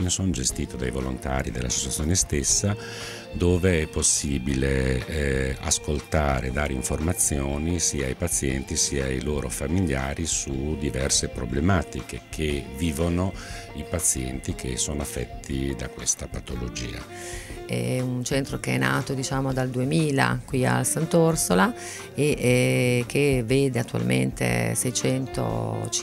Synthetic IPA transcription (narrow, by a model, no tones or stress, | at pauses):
nesoːnd͡ʒest̪iːt̪od̪ajvolo̰nt̪a̰ːɾid̪elːa̰so̥t͡ʃːat̪sjoːnest̪esːa | d̪oːveɛpːosːiːbile | a̰skolt̪aːɾed̪aːɾeiɱformat̪sːjoːnisiːaːjpat̪sːjɛnt̪isiːajloːɾofamiljaːɾisud̪ivɛrsepɾoblemaːt̪ikekʰeviːvono | ipat̪sːjɛnt̪ik̟ʰesoːnoafːɛt̪ʰːid̪akwest̪apat̪olod͡ʒḭːa̰ | ɛ̰unt͡ʃɛnt̪ɾokeɛnːa̰ːt̪od̪it͡ʃaːmod̪ald̪uemiːla̰kwia̰lsant̪orsola | e | k̟eveːd̪eat̪ːua̰lmḛnt̪ḛsɛjt͡ʃɛnt̪o̰t͡ʃ